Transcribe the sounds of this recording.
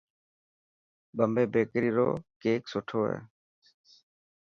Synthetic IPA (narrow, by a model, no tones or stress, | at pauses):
ɓəmbʱeːbeːkɾiːɾo̰ːkeːksʊʈʰoːɦɛ̰ː